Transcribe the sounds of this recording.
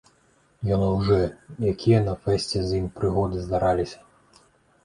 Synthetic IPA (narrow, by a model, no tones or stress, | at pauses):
jɔnɨwʐɛjakʲijɐnɐfɛsʲt͡sʲɛzʲjimpɾɨɣɔd̪ɨzd̪aɾʔalʲisʲɐ̥